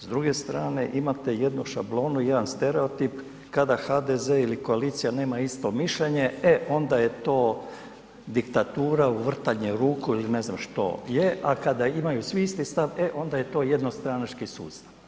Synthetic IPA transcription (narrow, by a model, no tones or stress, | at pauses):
zd̪ɾuɡe̞st̪ɾaːne̞ʔimat̪e̞je̞d̪nuʃa̰blˠo̞ːnujed̪anst̪eɾe̞o̞t̪ip | kad̪axad̪ezeiliko̞aliːt̪sijane̞ːmaist̪o̞miʃʎeɲe̞eʔo̞nd̪aje̞t̪o̞ː | d̪ikt̪at̪uːɾauʋr̩t̪aɲeɾuːkuiline̞znamʃt̪o̞̰jeʔakad̪aimajusʋiist̪ist̪aʋe̞ʔo̞nd̪aje̞t̪o̞ːje̞d̪no̞st̪ɾanat͡ʃkisṵːst̪aʋ